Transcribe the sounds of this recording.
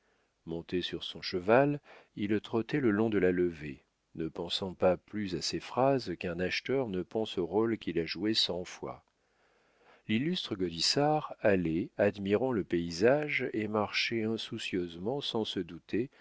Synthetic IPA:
mɔ̃t̪esyʁsɔ̃ʃəvalilt̪χɔt̪ɛləlɔ̃d̪əlaləve | nəpɑ̃sɑ̃paplyzasefχazkɛ̃naʃt̪œʁnəpɑ̃soʁolkʲilaʒuesɑ̃fwa̰ | lilyst̪χəɡɔd̪isaʁalɛad̪miʁɑ̃ləpeizaʒemaʁʃɛɛ̃susjøzmɑ̃sɑ̃səd̪ut̪e

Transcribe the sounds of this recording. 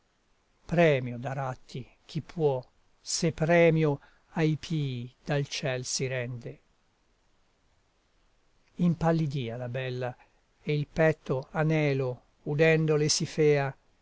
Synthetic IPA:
pɾɛːmjod̪aɾat̪ʰːi | k̟ʰipʰːwɔ | sepːɾɛːmjo | ajpʰiːd̪̥alt͡ʃɛlsiɾɛnd̪e | impalːid̪iːalabɛlːa | eilpɛt̪ʰːoanɛːlo | ud̪ɛnd̪olesifɛːa

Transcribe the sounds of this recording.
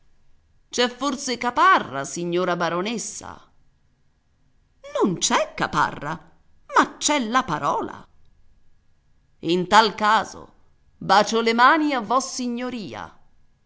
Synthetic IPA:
t͡ʃɛfːorsekaparːa̰siɲːoːɾabaɾonesːa̰ | nont͡ʃɛkːapa̰rːa̰ | mat͡ʃːɛlːapaɾɔːla̰ | int̪alkaːzo̰ | baːt͡ʃolemaːniavːɔsːiɲːoɾiːa̰

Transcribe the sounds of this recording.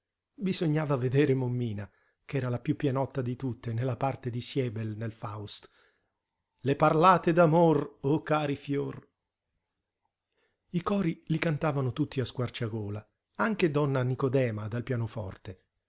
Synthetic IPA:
bizoɲːaːvaved̪ɛːɾemomːiːna | kɛːɾalapjupːjɛnɔt̪ːad̪it̪ut̪ːenelːapart̪ed̪isjɛːbelnelfawst̪ | leparlaːt̪ed̪amorokːaːɾifjor | ikɔːɾilikant̪aːvanʊt̪ut̪ːiaskwart͡ʃaɡoːla | aŋk̟ed̪ɔnːanikod̪ɛːmad̪alpjaːnofɔ̰rt̪e

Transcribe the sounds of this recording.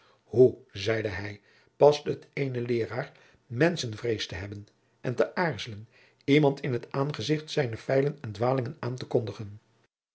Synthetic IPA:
huzɛjdəɦɛj | pɑstəɦətejnəlɪːraːɹ | mɛnsənvrejstəɦɛbən | ʔɛntəʔaːɹzələn | imɑntɪnɦətaːnχəzɪχtsɛjnəfɛjlənɛndʋaːlɪŋənaːntəkɔndəχən

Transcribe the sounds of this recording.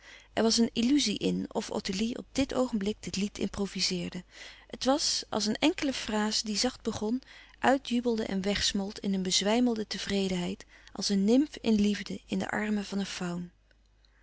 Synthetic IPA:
ʔɛɹʋɑsənilyziʔɪnɔ̰fo̰təliɔ̰b̚dɪtʰowχənmblɪɡ̚dɪtlitʰɪ̰mprowvizɪːɹdəətʋɑsʔɑ̰lˠs̬ənɛŋkələfraːzədizɑχd̚bəχɔnʔœɥtjybəlˠdəʔɛ̰nʋɛχsmɔlˠtʰɪnənbəzʋɛjməlˠdətəv̥rejdənɦɛjtʔɑ̰lˠsənːɪmpɪnlivdəɪndə̰ʔɑ̰ɹməvɑnənfɑwn

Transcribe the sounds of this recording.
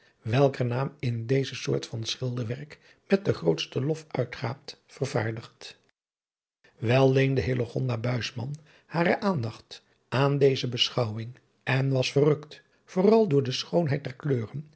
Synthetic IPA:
ʋɛlˠkənaːmɪndejzəsʊ̰ːɹtfɑnsχɪlˠdəɹʋɛrk | mɛt̚dəχrowtstəlɔfœɥtχaːp̚tfərvaːɹdəχt | ʋɛlˠːejndəɦɪloχɔ̰ndabœɥsmɑ̰n | haːɾəʔaːndɑχt | ʔaːndejzəbəsχɑwwɪŋ | ɛnʋɑsfərɵkt | v̥ʊːrɑlˠdʊːɹdəsχownɦɛj̚dɛɹkløːrən

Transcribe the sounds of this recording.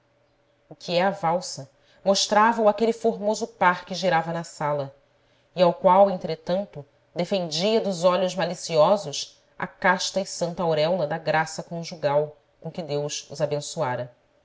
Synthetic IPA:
ukʰʲiɛavawsɐ | moʃt̪ɾavɐwakelifoɾmozʊpaɾkɪʒiɾavɐnɐsalɐ | iawkwawẽnt̪ɾet̪ɐ̃nt̪ʊ | d̪efẽnd͡ʒiɐd̪ʊzɔʎʊʒmalisiɔzʊʃ | a̰kaʃt̪ɐɪsɐ̃nt̪ɐawɾɛwlɐd̪ɐɡɾasɐkõʒuɡaw | kõkɪd̪ewʃʊzabẽsuaɾɐ

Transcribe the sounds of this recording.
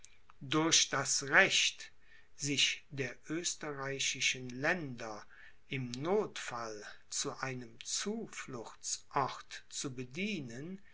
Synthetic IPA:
dʊɐɕd̥asʁɛʃt | z̥ɪʃdeːɐʔøːstəʁaɪɕɪʃənlɛndɐ | ʔɪmnoːtfalt͡suʔaɪnəmt͡suːflʊxt͡sʔɔʁtt͡subədiːnən

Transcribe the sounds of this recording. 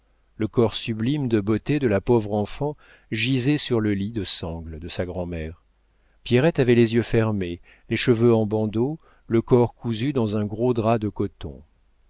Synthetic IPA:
ləkɔʁsyblimd̪əbot̪ed̪əlapɔvʁɑ̃fɑ̃ | ʒizɛsyʁləlid̪əsɑ̃ɡld̪əsaɡʁɑ̃mɛʁ | pjɛʁɛt̪avɛlezjøfɛʁme | leʃəvøɑ̃bɑ̃d̪o | ləkɔʁkuzyd̪ɑ̃zɛ̃ɡʁod̪ʁad̪əkɔt̪ɔ̰̃

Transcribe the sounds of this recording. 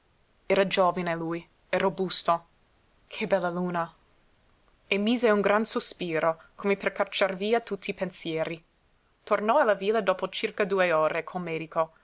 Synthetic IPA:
ɛːɾad͡ʒoːvineluj | erobust̪o | kʰebɛlːaluːna | emiːzeuŋɡɾansospiːɾokʰomeperkat͡ʃarviːat̪ut̪ʰːiːpensjɛːɾi | t̪ornɔalːaviːlad̪oːpot͡ʃirkad̪uːeoːɾekʰolmɛːd̪iko

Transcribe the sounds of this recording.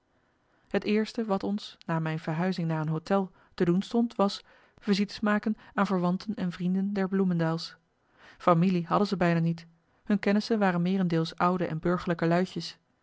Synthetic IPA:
ɦətɪːɹstəʋɑtɔnsnaːmɛjnv̥əɹɦœɥzɪŋnaːɹənɦowtɛlˠ | tədunstɔntʋɑs | v̥əɹzitə̥smaːkənaːnvəɹʋɑntʰənɛnvrindəndɛɹbluməndaːlˠs | familiɦɑdənzəbɛjnaːnit | hɵnkɛnəsənʋaːrənmɪːrɛndɪːlˠsʌwdəʔɛ̰nbɵɹχəɹləkəlœɥçəs

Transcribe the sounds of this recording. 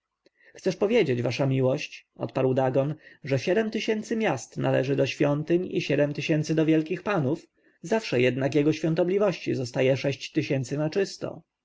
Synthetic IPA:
xt̪sɛʂpɔvʲjed͡ʑed͡ʑvaʂamʲiwɔɕt͡ɕɔ̰t̪paɾwd̪aɡɔnʐɛɕɛd̪ɛmt̪ɘɕɛnt̪sɘmʲjast̪nalɛ̰ʐɘd̪ɔɕfʲjɔnt̪ɘɲḭɕɛd̪ɛmt̪ɘɕɛnt̪sɘd̪ɔvʲjɛlkʲixpanuf | zafʂɛjɛd̪nakjɛɡɔɕfʲjɔ̃nt̪ɔblʲivɔɕt͡ɕizɔst̪ajɛʂɛɕt͡ɕt̪ɘɕɛnt̪sɘnat͡ʂɘst̪ɔ̰

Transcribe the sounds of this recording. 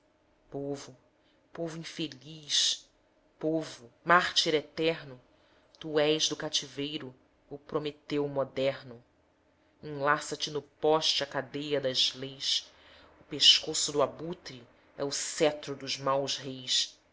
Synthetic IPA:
povʊ | povʊĩfeliʃ | povʊmaɾt͡ʃiɾet̪ɛɾnʊ | t̪uɛjzd̪ʊkat͡ʃivejɾʊ | ʊpɾomet̪ewmod̪ɛɾnʊ | ĩlasɐt͡ʃɪnʊpɔʃt͡ʃɐkad̪ejɐd̪ɐzlejs | ʊpeʃkosʊd̪ʊabut̪ɾi | ɛʊsɛt̪ɾʊd̪ʊzmawzɦejs

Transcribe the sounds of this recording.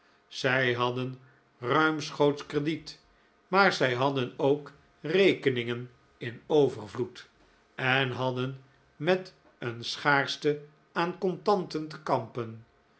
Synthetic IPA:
z̥ɛjɦɑdən | rœɥmsχowtskrədit | maːɹzɛjɦɑdənowk | rejkənɪŋən | ɪnowvəɹvlut | ɛnɦɑdən | mɛt | ənsχaːɹstə | aːnkɔntɑntəntə̥kɑmpən

